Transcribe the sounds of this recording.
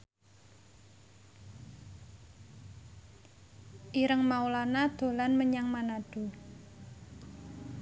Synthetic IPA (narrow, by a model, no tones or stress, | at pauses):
ʔiɾəŋmaulanad̪̥o̤lanməɲaŋmanaɖ̥u